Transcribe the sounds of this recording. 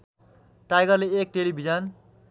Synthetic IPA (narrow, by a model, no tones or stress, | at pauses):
ʈajɡʌrleek̚ʈelibʱid͡zʌn